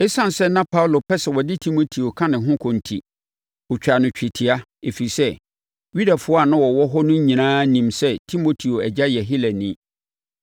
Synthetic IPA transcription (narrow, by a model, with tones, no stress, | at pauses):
ɛ˦sã˦n˨sɛ˦nã˦pʰa˦wlo˨pʰɛ˦sɛ˨wɔ˨dɪ˦tʰi˦mo˨tʰi˨o˨kʰã˦nɪ̃˨ɦʊ̃˦kʰɔ̃˨n̩˨tʰḭ˨ | ɔ˨t͡ɕᶣa˨nʊ̃˨t͡ɕᶣi˨tʰi˨a˦ | e˨fi˨i˨sɛ˦ | ɥi˦da˨fʊ˦ɔ˦a˦˨nʊ̃˦wɔ˨wɔ˦ɦɔ˦nʊ̃˦ɲ˦ɲĩ˨nãː˦nĩ˨msɛ˦tʰi˦mo˦tʰi˨o˨ɛ˨d͡ʑa˦jɛ˨ɦi˦lɛ˨nĩ˦